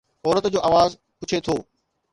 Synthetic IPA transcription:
ɔːɾət̪d͡ʑoːʔaːʋaːz | pʊt͡ɕʰet̪ʰoː

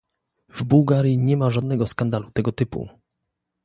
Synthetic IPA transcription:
vbuwɡaɾʲjiɲɛmaʐad̪nɛɡɔskand̪alut̪ɛɡɔt̪ɘpṵ

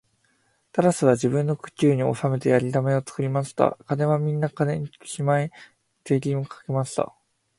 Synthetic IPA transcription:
t̪aɾasɨβ̞ad͡ʑibɯ̟̃nːo̞kɯ̟̥kʲɨːɲ̟io̞̰same̞t̪e̞jaɾʲit̪ame̞o̞t͡sɨ̥kɯ̟ɾʲimaɕi̥t̪a̰kane̞βamʲĩnːakane̞ɲ̟ikʲimae | t̪e̞ːɾʲĩokʰḁke̞maɕi̥t̪a̰

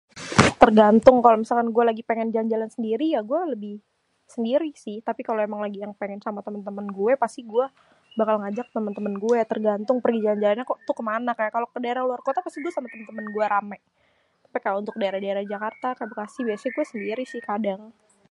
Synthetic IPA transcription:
t̪ərɡant̪ʊŋkalomisalkanɡuɛlaɡipeŋɛnd͡ʒalnd͡ʒalansəndiɾijaɡuɛləbɪh | səndiɾisɪht̪apikaloemaŋlaɡijaŋpeŋɛnsamat̪əmənt̪əmənɡuɛpast̪iɡuɛ | bakalŋad͡ʒak̚t̪əmənt̪əmənɡuɛt̪ərɡant̪ʊŋpərɡid͡ʒaland͡ʒalanɲakt̪ukəmanakajakalokədaeɾahluarkot̪apast̪iɡuɛsamat̪əmənt̪əmənɡuɛɾamaj | t̪ḁpikajaunt̪ʊk̚daeɾahdaeɾahd͡ʒakart̪akajabəkasɪhbiasaɡuɛsəndiɾisɪhkadaŋ

